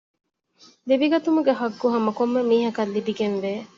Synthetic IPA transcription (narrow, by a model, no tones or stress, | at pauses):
liʋiɡɐt̪umuɡeɦɐɡːuɦɐmɐkomːemiːɦɐkɐlːibiɡenʋeː